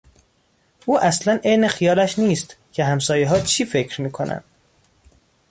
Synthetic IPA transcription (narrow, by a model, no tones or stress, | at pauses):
ʔuːʔæslænejnexijɒːlæʃniːst̪cʰe̞ɦæmsɒːjeɦɒːt͡ʃʰiːfe̞cʰɾmiːkʰonʔæ̰nd̪̥